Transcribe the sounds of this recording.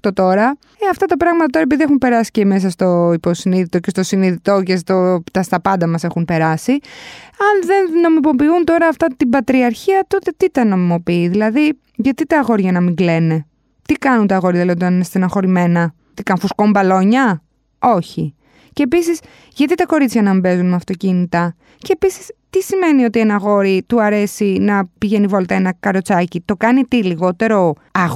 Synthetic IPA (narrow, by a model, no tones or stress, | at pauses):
t̪o̞t̪o̞ɾɐ | eɐft̪ɐt̪ɐpɾɐɣmɐt̪ɐt̪o̞ɾɐepiðiexumpe̞ɾɐsi̥ceme̞s̬ɐst̪o̞iposiniðit̪o̞ce̞st̪o̞siniðit̪o̞ce̞st̪ot̪ɐst̪ɐpɐnd̪ɐmɐse̞xunpe̞ɾɐsiɐnðe̞nno̞mimo̞piunt̪o̞ɾɐːft̪ɐt̪ibɐt̪ɾiɐɾçiɐt̪o̞t̪e̞t̪it̪ɐno̞mimo̞piːðilɐði | ʝɐt̪it̪ɐːɣo̞ɾʝɐnɐmiŋɡle̞ne̞ | t̪ikɐnunt̪ɐːɣo̞ɾijɐðilɐðit̪nnest̪enɐxo̞ɾime̞nɐ | t̪ikɐnfusko̞mbɐlo̞ɲɐ | o̞çi | ce̞ːpisis | ʝɐt̪it̪ɐko̞ɾit͡sçɐnɐmibe̞zunmeɐft̪o̞cinit̪ɐ | ceːpisi̥st̪isime̞nio̞t̪ienɐɣo̞ɾit̪uɐɾe̞sinɐpiʝenivolt̪ɐenɐkɐɾo̞t͡sɐcit̪o̞kɐnit̪iliɣo̞t̪e̞ɾo̞ | ɐɣ